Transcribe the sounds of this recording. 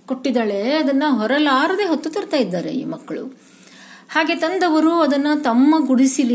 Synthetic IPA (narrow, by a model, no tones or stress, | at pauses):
koʈːid̪ɐːɭe̞ɐd̪ɐnːɐɦɔɾɐlaːɾɐd̪e̞ːɦot̪ːut̪ɐɾt̪aːjid̪ːaːɾḛmɐkːɐɭṵ | haːɡe̞t̪ɐnd̪ɐʋɐɾuɐd̪ɐnːɐt̪ɐmːɐɡuɽisili